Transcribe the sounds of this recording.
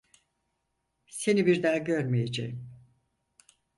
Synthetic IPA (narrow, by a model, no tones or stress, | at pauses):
se̞nibiɾd̪aːɟøɾmijed͡ʒḛjim